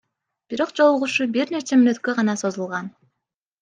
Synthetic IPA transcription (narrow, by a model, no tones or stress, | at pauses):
b̥iɾo̞qd͡ʒo̞lˠuʁuʃubiɾne̞t͡ʃemynøt̪kø̞ʁɑnɑso̞zulˠʁɑn